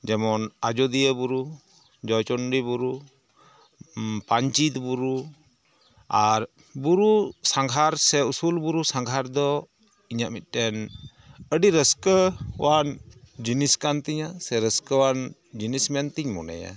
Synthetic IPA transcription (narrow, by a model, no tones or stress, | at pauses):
d͡ʒɛmɔnad͡ʒɔd̪ijəbuɾu | d͡ʒɔjt͡ʃɔnɾibuɾu | paɲt͡ʃit̪buɾu | aɾ | buɾusaŋɡʱaɾsɛusulbuɾusaŋɡʱaɾd̪ɔ | iɲaʔmit̪̚ˀʈɛn | əɖiɾəskəwand͡ʒiniskant̪iɲasɛɾəskəwand͡ʒinismɛnt̪iɲmɔ̰nɛ̰ja̰